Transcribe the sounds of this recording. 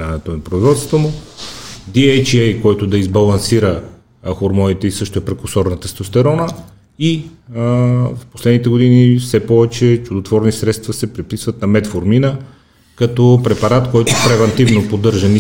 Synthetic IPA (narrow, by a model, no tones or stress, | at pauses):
anɛt̪onɐpɾoizvɔt̪st̪vomʊ | d̪iɛjt͡ʃɛjkɔjt̪ʊd̪ɐizbɐlˠɐnsiɾə | xoɾmɔnit̪ɛisɤʃt̪oɛpɾɛkosɔɾnət̪əst̪ost̪ɛɾɔnə | i | fposlɛd̪nit̪ɛɡod̪inifsɛpɔvɛt͡ʃɛt͡ʃʊd̪ot̪vɔɾnisɾɛt̪st̪vɐsɛpɾipisvɐt̪nɐmɛt̪foɾminə | kɐt̪ɔpɾɛpɐɾat̪kɔjt̪ʊpɾɛvɛnt̪ivnopod̪ɤɾʒɐni